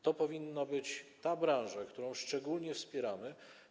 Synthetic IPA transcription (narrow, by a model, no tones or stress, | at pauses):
t̪ɔpɔvʲinːabɘt͡ɕt̪abɾãw̃ʐakt̪uɾɔ̃w̃ʂt͡ʂɛɡulɲɛfspʲjɛɾamɘ